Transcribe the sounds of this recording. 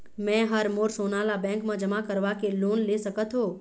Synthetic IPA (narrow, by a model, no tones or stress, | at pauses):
mɛ̃ɦəɾmoːɾsoːnaːlabɛ̃ːŋkmãd͡ʒəmakəɾʋakeloːnlesəkət̪ɦoː